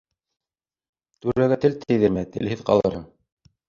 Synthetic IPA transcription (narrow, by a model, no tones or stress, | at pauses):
t̪ʉɾæɡæt̪ɘ̆lt̪ʰɘ̆jðɘ̆ɾmæt̪ɘ̰̆lhɘðqɑ̰lˠɤ̰̆ɾhɤɴ